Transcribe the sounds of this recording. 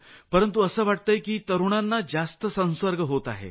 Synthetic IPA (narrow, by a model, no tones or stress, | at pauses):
pəɾənt̪uəsəːʋaʈ̚t̪əjkiːt̪əɾuɳ̃anːad͡zast̪əsə̃ñsʋəɾɡəɦot̪a̰ɦḛ